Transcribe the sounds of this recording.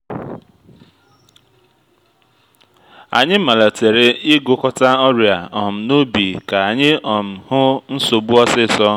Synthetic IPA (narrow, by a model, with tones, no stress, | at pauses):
a̰˨ɲɪ˦ma˨la˨te˨ɾɪ˦ɪ˦ɡʊ˨kɔ˦ta˦ɔ˦ɾi˨a˨ɔ˨m̩˨no˦bi˨ka˨a˨ɲɪ˦ɔ˨m̩˨hʊ˦n̩˦so˨bu˦ɔ˦sɪ˦˨sɔ˦